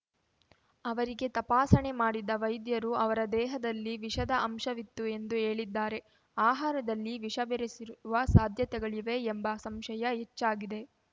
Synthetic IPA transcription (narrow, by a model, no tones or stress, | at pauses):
ɐʋɐɾiɡe̞t̪ɐpaːsɐɳe̞maːɽid̪ɐʋɐjd̪jɐɾuɐʋɐɾɐd̪ɛːɦɐd̪ɐlːiʋiʃɐd̪ɐʔɐmʃɐʋit̪ːue̞nd̪uɦe̞ːɭid̪ːaːɾe̞ | aːɦaːɾɐd̪ɐlːiʋiʂɐbeɾesiɾuuʋɐsaːd̪ʱjɐt̪ɛɡɐɭiʋe̞ːmbɐsɐmʃɐjɐɦet͡ʃːaːɡid̪e̞